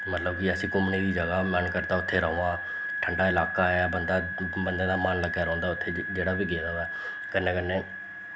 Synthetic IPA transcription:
mət̪ləbkɪəsĩːkʊmniːd̪iːd͡ʒəɡaːmənkəɾt̪aːʊt̪ʰːeːɾəːoãː | ʈʰəɳɖaːɪlaːkaːɛːbənd̪aːbənd̪ãːd̪aːmanləɡaːɾɔ̃ːnd̪aːʊt̪ʰːeːd͡ʒeːɽaːbiːɡeːdaːɛː | kənːẽːkənːẽː

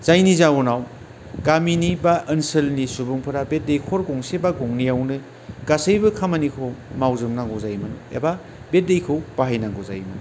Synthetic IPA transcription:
z̥ajnizawunaw | ɡaminibaʔɯnsɯlnisubɯŋpʰɯɾabet̚dejkʰɔɾɡɔŋsebaɡɔŋnijawnɯ | ɡ̥asɯjbɯkʰamanikʰomawzɯmnaŋɡozajmanuḛba | bet̚dejkʰɯwbaɦajnaŋɡoza̰jmanu

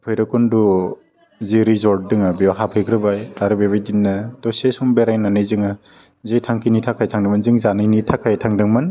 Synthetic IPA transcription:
pʰɔjɾɯkundu | ziɾizɔɾt̚dɯŋabiaɦapʰɯjɡɾɯbajaɾɯbeβajdinːad̥ɔsesumbeɾajnanɯjzɯŋa | zejtʰaŋkʰinitʰakʰajtʰaŋdɯmanzɯŋzanɯjnitʰakʰajtʰaŋdɯŋman

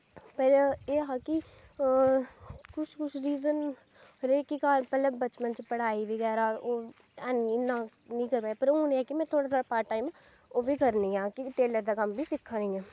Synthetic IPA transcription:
pəɾeːɦaːki | kʊt͡ʃʰkʊt͡ʃʰɾiːzən | ɾeːkikaːlpələbbət͡ʃmənt͡ʃpəɽ̤aːiʋɪɣɛːɾaːoː | ɛːniɪnã | nĩːkəɾpaːjpəɾõːnɛːkimɛ̃ːt̪ʰoːɽaːt̪ʰoːɽaːpaːɾʈʈaːimɛ̃ | oːʋʱiːkəɾnĩãːkiʈeːləɾd̪aːkɐmbʱisɪkʰːãːnĩɛː

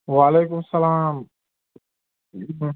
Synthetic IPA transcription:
waːleːkʊmsɐlaːm

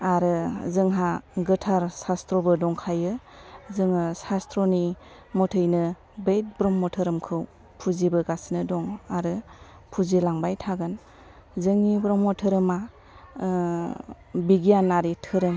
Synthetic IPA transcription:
aɾɯzɯŋɦaɡɯtʰaɾsastɾɔbɯdɔŋkʰajɯ | zɯŋɯsastɾɔni | mɔtʰɯjnɯ | bejt̚bɾɔmːɔtʰɯɾɯmkʰɯw | pʰuzibɯɡasnɯdɔŋaɾɯ | pʰuzilaŋbajtʰaɡɯn | zɯŋnibɾɔmːɔtʰɯɾɯma | biɡijanːaɾitʰɯɾɯm

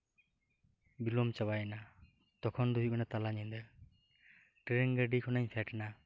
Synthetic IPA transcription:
bilɔmt͡ʃabajna | t̪ɔkʰɔnd̪ujukɔnat̪alaɲɛnd̪ɛ | ʈɛɾɛŋɡəɖikʰɔnaɲsʰɛʈɛna

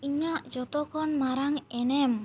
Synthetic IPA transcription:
iɲaʔd͡ʒɔt̪ɔkɔnmaɾaŋɛnɛm

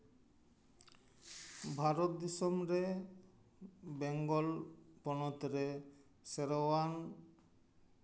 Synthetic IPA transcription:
bʱaɾot̪̚d̪isɔmɾe | beŋɡɔlpɔnɔt̪ɾe | seɾowan

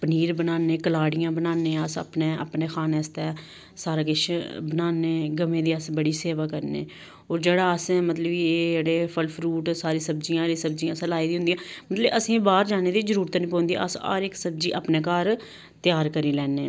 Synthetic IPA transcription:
pəniːɾbənaːneːkəlaːɽɪjãːbənaːneːəsə̰pneːə̰pneːxʰaːneːəst̪ɛː | saːɾaːkɪʃʰbənaːneːɡəmẽːd̪iːəsbəɽiːseːʋaːkəɾnḛː | oːɾd͡ʒeːɽaːəsmət̪ləbiːd͡ʒeːɽeːpʰəlpʰɾuːʈsaːɾiːsəb̚d͡ʒijãːɾiːsəbd͡ʒijãːsəlaːiːd̪iːʊ̃nd̪ijãːmət̪ləbəsĩːbaːɾd͡ʒaːneːd̪iːzəɾuːɾt̪ːnĩːpɔ̃ːnd̪ḭːʔə̰sa̰ːɾɪksəbd͡ʒiːʔa̰ːpneːkaːɾ | t̪ɪjaːɾkəɾiːlɛːneː

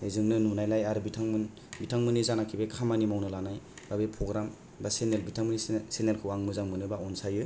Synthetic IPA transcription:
ezɯŋnɯnunajlajaɾɯbitʰaŋmɯn | bitʰaŋmɯnizanakʰibekʰamanimawnɯlanaj | b̥abepʰɾɔɡɾam | basenelbitʰaŋmɯnisenelkʰɯwaŋmɯzaŋmɯnɯbaɔnsajɯ

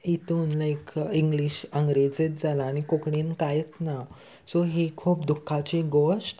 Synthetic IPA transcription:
it̪uːnlaekĩŋɡliɕəŋɡɾed͡zet̪̚d͡zalaːñikokɽiːnkajət̪na | soɦekʰuːpd̪ukʰːat͡ɕiɡoʂʈ

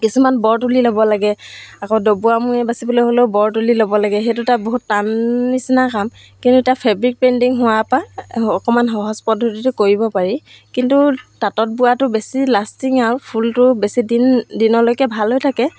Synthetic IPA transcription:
kisumanbɔɹtulilobɔlaɡɛakɔwdobuamuɛbasibɔlojɦolebɔɹtulilobɔlaɡɛxejtʊtaboɦutːanːisinakam | kintuitapʰɛbɹik̚pɛndiŋɦʊwapaɔkɔmanɦɔɦɔspɔdʱːotitʊkoɹibɔpaɹi | kintutatɔt̚buatʊbesilastiŋaɹpʰultʊbesidindinɔlojkɛbʱalɦojtʰakɛ

